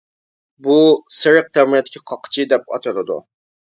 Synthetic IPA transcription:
busɪɾəq̚t̪ʰɛwmiɛt̪ʰːɪ̥kʲʰiqʰɑqʰːt͡ʃʰid̪ɛp̚ɑ̰t̪ʰɨlɨd̪ṵ

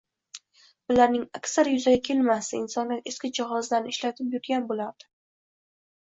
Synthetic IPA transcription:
bʊlaɾnɪŋakʲsaɾjʊzaɡʲakʲʰe̞lmasɪɪnsɒnlaeskʲɪd͡ʒahɒzlaɾnɪɪʃlat̪ʰɪpjʊɾɡʲanbolaɾd̪̥ɪ̥

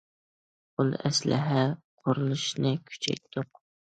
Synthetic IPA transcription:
olˠɛ̰slɪ̰ɦɛqʰoɾulˠɨʃnɨkʲʰy̥t͡ʃʰɛ̰jt̪ʰːʊq

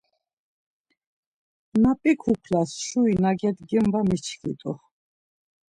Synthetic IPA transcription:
napʼikʰukʰlasʃuinaɡɛd̪ɡɛmvamit͡ʃʰχḭt̪ʼṵχ

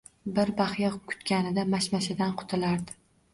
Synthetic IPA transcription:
bɪɾbaχjɑkʰʊ̥t̪kʲanɪd̪amaʃmaʃɪd̪anqʰʊ̥t̪ʰɪlaɾd̪ɪ̥

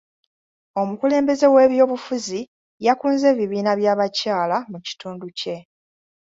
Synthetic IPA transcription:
o̞mukule̞ːmbe̞ze̞we̞ːβjo̞ːβufuzi | jakuːnze̞ːβiβiːnaβjaːβacaːlamuci̥tuːnduce̞

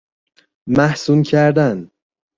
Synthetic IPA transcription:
mæhsuːncʰæɾd̪æn

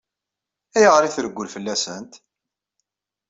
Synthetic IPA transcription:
æjəʁɾiθɾəɡʷːʊlfəlːæsənt̪

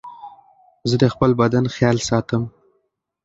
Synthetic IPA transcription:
zəd̪əxpəlbad̪anxjɑlsɑt̪əm

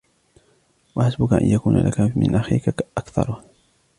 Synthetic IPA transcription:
waħasbʊkaʔa̰njakuːna̰lʔa̰kamɪ̰nʔaxiːkaʔakθɑ̰ɾˤ

